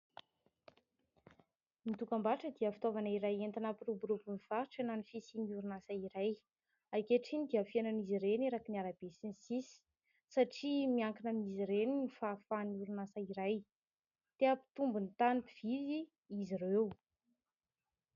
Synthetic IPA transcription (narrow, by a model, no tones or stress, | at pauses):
mit̪ukambaʈ͡ʂəd̪iəfi̥t̪ovanaiɾajent̪anapirubuɾupuniv̥aʈ͡ʂananifisiniuɾunasaiɾaj | ajkeʈ͡ʂinid̪iafiananiziɾeneɾakiniaɾabesinisisi̥ | saʈ͡ʂimiaŋkinaniziɾeninifafanuɾunasaiɾaj | t̪eapi̥t̪umbunt̪anipiv̥izi | izirew